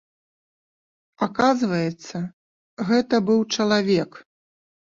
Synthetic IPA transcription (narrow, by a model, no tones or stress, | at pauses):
akazvɐjɛt̪sːɐ | ɣɛt̪ɐbɨwt͡ʂɐlˠavʲɛk